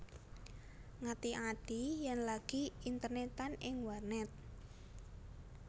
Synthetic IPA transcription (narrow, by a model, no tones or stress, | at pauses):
ŋat̪iʔad̪̥ijɛnlaɡ̥iint̪ərnet̪anɪŋwarnɛt̪̚